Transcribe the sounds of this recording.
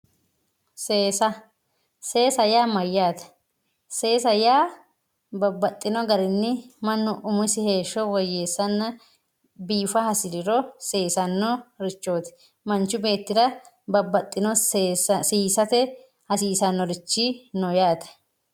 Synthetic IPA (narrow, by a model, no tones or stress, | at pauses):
seːsɐ | se̞ːsɐjaːmɐjːaːt̪ɐ̥ | se̞ːsɐjaː | bɐbːɐt̪ʼːɪnɔɡɐɾɪnːɪmɐnːʊʔʊmʊsɪhe̞ːʃːɔwɔjːeːsːɐnːɐ | biːfɐhɐsɪɾɪɾɔseːsɐnːɔɾɪt͡ʃːo̞ːt̪ɪ̥ | mɐnt͡ʃːʊbe̞ːt̪ːɪdɐ | bɐbːɐt̪ʼːɪnɔ | siːsɐt̪ɛ | hɐsiːsɐnːɔɾɪt͡ʃːɪnɔjaːt̪ɐ̥